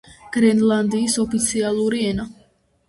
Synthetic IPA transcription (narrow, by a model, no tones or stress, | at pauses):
ɡ̥ɾɛnlˠand̪iːsɔpʰit̪sʰialˠuɾiɛna